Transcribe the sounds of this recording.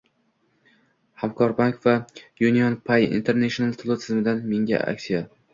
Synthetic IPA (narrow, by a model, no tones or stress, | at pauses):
hamkʰɒɾbaŋkvajunijɒnpʰajḭnt̪ʰeɾnaʃonalˠt̪ʰɪlˠɪt̪ʰɪzmɪd̪anmeŋɡʲa̰ʔa̰kʲsija